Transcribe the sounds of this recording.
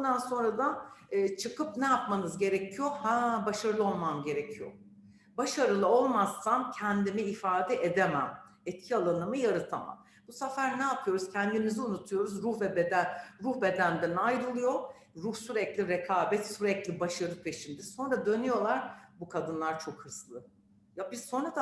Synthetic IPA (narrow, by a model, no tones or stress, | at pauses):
bund̪anso̞nɾad̪anːt͡ʃʰɯkɯpnɛjapmanɯzɟe̞ɾɛcʰijo̞habaʃaɾɯlˠɯo̞lˠmamɟe̞ɾecʰijo̰ | baʃaɾɯlˠɯo̞lˠmasːancʰɛnd̪imiːfaːd̪ɛʔed̪emæm | ɛt̪cʰialˠanɯmɯjaɾɯt̪ʰama̰m | busafæɾnɛapʰɯjo̞ɾuz̥cʰɛnd̪imiziunut̪ʰujo̞ɾuzɾuhvɛbed̪æɾuhbe̞d̪ænd̪ænajɾɯlˠɯjo | ɾuhsyɾɛclʲiɾekʰaːbɛt̪syɾɛclʲibaʃaɾɯpʰe̞ʃind̪ɛso̞nɾad̪ø̞nyjo̞lˠaɾbukʰad̪ɯnlˠaɾt͡ʃʰo̞khɯslˠɯ | jabiz̥so̞nɾat̪